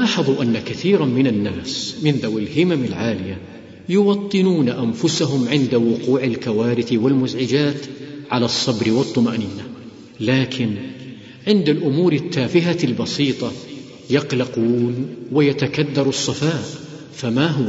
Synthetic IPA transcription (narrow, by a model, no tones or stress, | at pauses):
ɑːħɑðˤuʔanːakaθiːɾamɪnanːaːsmɪnðawɪlhɪmamɪlʕaːlɪja | jʊwɑt̪ˤːɨnuːnaʔamfʊsaɦʊmʕɪnd̪awʊquːʕalkawaːɾɪθwɪlmʊzʕɪd͡ʒaːt̪ʕalasˤːɑbɾɪwɑt̪ˤːʊmaʔniːna | laːkʰɪn | ʕɪnd̪alʔʊmuːɾɪt̪ːaːfɪɦalbɑsiːt̪ˤɑ | jɑqlɑquːnwɪjat̪akad̪ːɑɾˤɑsˤːɑfaːʔ | famaɦʊwa